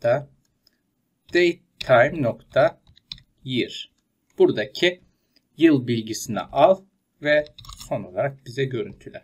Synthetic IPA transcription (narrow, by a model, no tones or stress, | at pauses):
a | d̪̥ej | t̪ʰajmnokt̪ʰa | jiɾ | b̥uɾd̪acʰi | jɯlˠbilʲɟisinɛ̰ʔalˠ | vɛso̞no̞lˠaɾak̚bizɛɟø̞ɾynt̪ʰylʲæ̰ɾ